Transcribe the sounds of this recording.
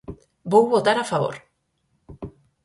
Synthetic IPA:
bowβot̪aɾafaβ̞o̰ɾ

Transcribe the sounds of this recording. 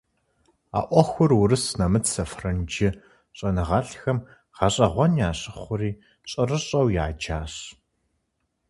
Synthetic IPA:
a̰ːʔʷɔxʷʊrwʊrɨsnɐmɨtsɐfrɐnd͡ʒɪ | ɕʼɐnɨʁɑɬxɐm | ʁ̥ɐɕʼɐʁʷɔnjaːɕʼɪχχʷʊriː | ɕʼɐrɨɕʼɐwjaːd͡ʒaːɕ

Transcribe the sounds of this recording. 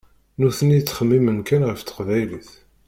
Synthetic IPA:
nuθənit͡sːχəmːimənkænʁəft̪ə̥qvæjliθ

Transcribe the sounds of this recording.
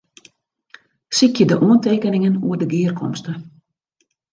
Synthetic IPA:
sikjədəʔuənteːkənɪŋənuədəɡɪːərkʰɔ̰mstə

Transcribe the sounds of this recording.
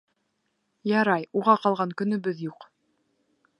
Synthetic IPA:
jɑɾɑjuʁɑqɑlˠʁɑŋkɵ̆nɵ̆bɘðjuq

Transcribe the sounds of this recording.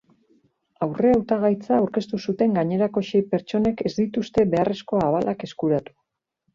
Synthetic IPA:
awre̞awt̪aɣ̞ajt͡saːwɾke̞st̪usut̪e̞ŋɡaɲe̞ɾako̞ʃe̞jpe̞ɾt͡ʃo̞ne̞ke̞zd̪it̪ust̪e̞βe̞are̞sko̞aβalʔake̞skuɾat̪u̥

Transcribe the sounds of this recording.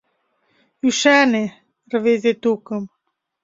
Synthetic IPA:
uʃæne | rvezet̪ukəm

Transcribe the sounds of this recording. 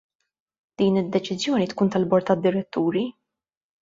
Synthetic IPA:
d̪̥iːnɪd̪ːɛt͡ʃɪzjɔːnit̪kuːnt̪ɐlbɔɾt̪ːɐd̪ːɪɾɛt̪ːuːɾi

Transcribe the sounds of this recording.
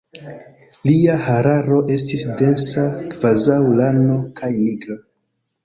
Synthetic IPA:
liahaɾaɾo̞ʔe̞stisde̞nsakv̥azawlano̞kʰajniɡɾa

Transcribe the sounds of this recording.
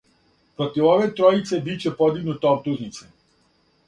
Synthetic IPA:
pɾɔt̪iʋɔʋet̪ɾɔit̪sebit͡ʃepɔd̪iɡnut̪ɔbt̪uznit̪sʰe

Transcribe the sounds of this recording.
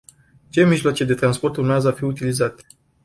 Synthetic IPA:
t͡ʃe̞miʒloat͡ʃed̪e̞t̪ɾanspo̞rt̪urmeazəafiut̪ilizat̪e̥

